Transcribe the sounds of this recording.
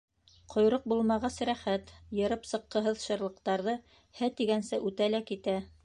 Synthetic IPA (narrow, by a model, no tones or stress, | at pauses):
qʰŏjɾoq̚bulˠmɑʁɑsɾæχæt̪jɤ̆ɾɤpsɤ̆qːɤ̆ɦɤðʃɤ̆ɾlˠɤ̆qt̪ɑɾðɤ | hæt̪iɡænsɘʔʉt̪ælækit̪æ